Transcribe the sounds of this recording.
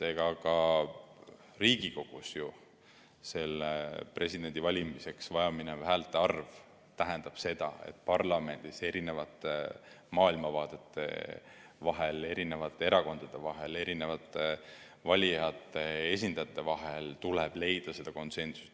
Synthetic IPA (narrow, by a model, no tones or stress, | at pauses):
se̞ɡ̥ɑkɑ | riːɡ̥iko̞ɡ̥usju | se̞lːepre̞sid̪e̞nd̪ivɑlʲimise̞ksvɑjɑminevæɦælt̪ːˑeɑrv | t̪æɦænd̪ɑb̥se̞d̪̥ɑ̰e̞̰t̪̚ːˑpɑrlɑme̞nd̪̥ise̞ɾine̞vɑt̪ːˑe | mɑːilmɑvɑːt̪e̞t̪ːˑe̞̰vɑɦe̞le̞ɾine̞vɑt̪ːˑe̞e̞ɾɑko̞nd̪̥ɑd̪̥e̞vɑɦe̞le̞ɾine̞vɑt̪ːˑe | vɑlʲijɑt̪ːˑee̞s̬ʲind̪̥ɑt̪ːˑe̞vɑɦe̞lt̪uleb̥le̞jd̪̥ɑse̞d̪̥ɑko̞nt̪se̞nsu̥s